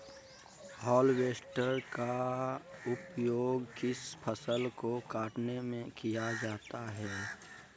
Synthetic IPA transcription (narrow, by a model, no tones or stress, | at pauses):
hɔːlweːsʈəɾka | ʊpjoːɡkɪspʰəsəlkokaːʈnemẽkijad͡ʒaːt̪aɦɛː